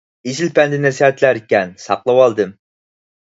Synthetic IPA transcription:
izɪlpɛnd̪ɪnɛsihɛt̪læɾikʲɛnsɑqlˠɑwɑlˠd̪ɨm

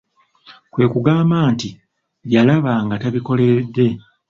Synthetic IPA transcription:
kwe̞ːkuɡaːmbaːnti | βjalaβaŋɡataβiko̞le̞dːe̞

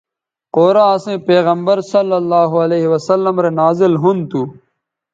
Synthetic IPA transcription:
qoːɾãːɐsẽːpeːɣɐmbəɾsɐlːɐlːaːɦoɐleːɦiwɐsɐlːɐmɾenaːzɪlɦunt̪uː

